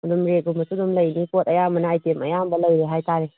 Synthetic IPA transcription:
ɐdumɾet̚ɡumbɐsudumlɐjnipotɐjamɐnaːjtemɐjambɐlɐjɾeɦajtaɾe

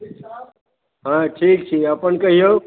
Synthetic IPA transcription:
ɦãːʈʰiːk̚t͡ʃʰiɐpəɳkɐɦijoː

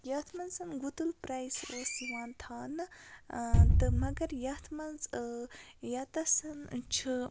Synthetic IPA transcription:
jɐːt̪ʰmɐnsɐnɡut̪ulpɾajsoːsiʋaːnt̪ʰaːnɨ | t̪ɨmɐɡɐɾjɐt̪ʰmɐnz | jɐt̪ɐsɐnt͡ʃʰɨ

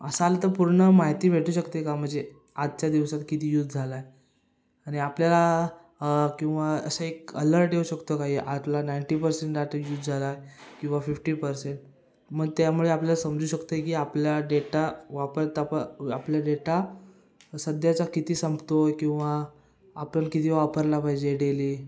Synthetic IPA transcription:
əsalat̪əɾpuɾɳəmaɦjt̪iːʋ̤ʱeʈuːɕəkt̪ekam̤əɳd͡ze | ad̪t͡ɕad̪iʋsat̪kit̪iːjut̪̚ʰːd͡zʱalae | aɽ̃iapljala | kĩw̃ʋaə̰səekələɾʈjeuɕəkt̪əkaɦiʔat̪lanaiɳʈipəɾseɳʈɖaʈəjut̪ːd͡zʱalaekĩw̃ʋafifʈiːpəɾseɳʈ̚ | məɡ̚t̪jamuɭeapljalasəmd͡zuːɕəkt̪əjekiːapljaɖeʈaʋapəɾt̪apəapljaɖeʈa | səd̪ʱjat͡sakit̪iːsəmbt̪okĩw̃ʋaː | pənkit̪iːʋapəɾlapajd͡ʑeɽeliː

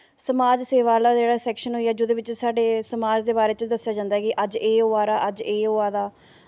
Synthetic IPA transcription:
səmaːd͡ʒseːʋaːlaːd͡ʒeːɽaːsɛːkʃənɦoːiːɛːd͡ʒʊd̪eːʋɪt͡ʃsaːɖeːsəmaːd͡ʒd̪eːbaːɾeːt͡ʃd̪əsːɪjaːd͡ʒãːnd̪aːɦɛkɪʔəd͡ʒeːɦoːaːɾaːʔəd͡ʒeːɦoːaːd̪aː

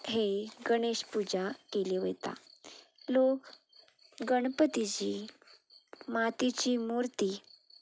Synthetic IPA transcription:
ɦeɡəɽ̃eɕpud͡ʑakeliʋəjt̪a̰ | lok | ɡəɽ̃pət̪it͡ɕiː | mat̪it͡ɕiːmuɾt̪iː

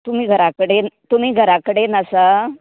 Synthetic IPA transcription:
t̪um̤iːɡʱəɾakəɽent̪um̤iːɡʱəɾakəɽenəsə

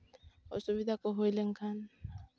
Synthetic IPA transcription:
ɔ̰subid̪ʱakoɦojleŋkʰan

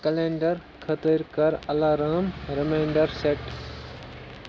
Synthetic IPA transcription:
kɐlẽːɳɖəɾ | kʰɐt̪əɾkɐɾɐlaːɾaːmɾɪmẽːɳɖəɾseʈ

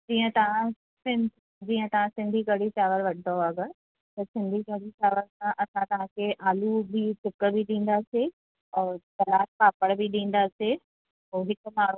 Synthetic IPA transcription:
d͡ʑiːə̃t̪ɐʋ̤ã | sɪ̃n | d͡ʑiːə̃t̪ɐʋ̤ãsɪ̃nd̪ʱikɐɽ̤it͡ɕaːʋəɾʋɐʈʰɪd̪oɐɡəɾ | t̪ɐsɪ̃nd̪ʱiɡɐɽit͡ɕaːʋəɾsãʔɐsãt̪ɐʋ̤ãkʰeʔaːlubʱiʈʰʊkəbʱiɗĩːn̆d̪ase | ɔːɾtɐlaːt̚paːpəɽbʱiɗĩːn̆d̪ase | ɦoːɦɪkʊ̆maːɾ̤u

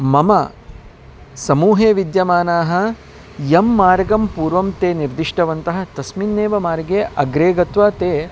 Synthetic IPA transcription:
mɐmɐ | sɐmuːɦeːʋid̪jɐmaːnaːɦɐ̆ | jɐmːaːɾɡɐmpuːɾʋɐmt̪eːniɾd̪iʂʈɐʋɐnt̪ɐɦɐ̆t̪ɐsminːeːʋɐmaːɾɡeːʔɐɡɾeːɡɐt̪ʋaːt̪eː

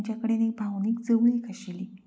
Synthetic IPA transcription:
t͡ɕjakəɽenebʱawniːk̚d͡zəʋɭikəɕili

